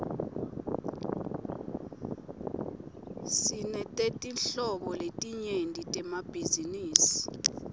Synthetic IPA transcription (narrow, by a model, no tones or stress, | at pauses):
sinɛtʼetʼinɬɔɓɔletʼiɲendʱitʼɛmab̥ʱiziniːsi̥